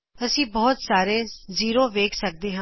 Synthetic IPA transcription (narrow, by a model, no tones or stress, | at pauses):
əsĩːbɔːt̪saːɾeːziːɾoːʋeːkʰsək̚d̪eːɦã